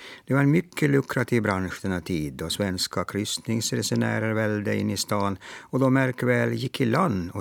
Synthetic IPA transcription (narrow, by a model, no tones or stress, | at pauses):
d̪̥ɛvaɾɛmʏkʰːəlɵkɾat̪ʰiːvbɾanɧd̪ɛnat̪ʰiːd̪ɔsvɛnskakʰɾʏst̪nɪŋsɾɛsɛnæ̰ːɾəɾvɛld̪əɪ̰nːɪst̪ɑːnɔd̪ɔmæɾkvɛljɪkʰːɪland̪ɔ